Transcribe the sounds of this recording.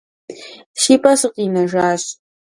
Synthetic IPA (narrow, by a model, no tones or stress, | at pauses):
ʃiːpʼɐsɨqiːnɐʒaːɕ